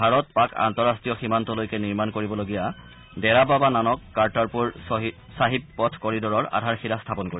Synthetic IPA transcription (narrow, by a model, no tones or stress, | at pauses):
bʱaɹɔt̚paka̰ntɔɹastɹijɔximantɔlojkɛniɹmankoɹibɔloɡija | dɛɹababananɔkːaɹtaɹpuɹ | saɦippɔtʰkɔɹidɔɹɔɹa̰dʱaɹxilastʰapɔnkoɹi